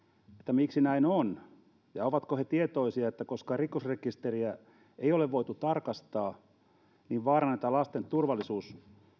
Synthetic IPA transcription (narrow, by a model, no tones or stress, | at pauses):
et̪ːæmiksinæinon | jɑoʋɑt̪kohet̪iet̪oisiɑet̪ːækoskɑrikosrekist̪eriæ | eioleʋʋoit̪ut̪ɑrkɑst̪ɑː | niːʋʋɑːrɑnet̪ːælɑst̪ent̪urʋɑlːˑisuːs